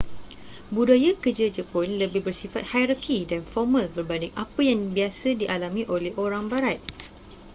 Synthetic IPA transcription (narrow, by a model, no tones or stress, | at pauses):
budajakərd͡ʒəd͡ʒəpʊnləbɪhbərsifat̪̚hajɾakidanfɔrmãlbərbandɪŋʔapəjaŋbiasədiʔalamĩʔolɛhʔoɾaŋbaɾat̪̚